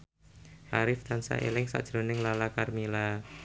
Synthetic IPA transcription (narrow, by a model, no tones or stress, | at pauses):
ʔaɾɪft̪ansa̰ʔḛlɪŋsa̰ʔd̥ʒ̥ɾonɪŋlalakarmila